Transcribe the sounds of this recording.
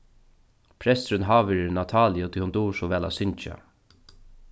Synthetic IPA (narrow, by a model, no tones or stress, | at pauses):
pʰɾɛst̪ɾɪnɦaːʋɪɾɪnat̪ʰaːlɪʊt̪ʰihʊnt̪uːʂɔʋɛːla̰sʏɲt͡ʃa̰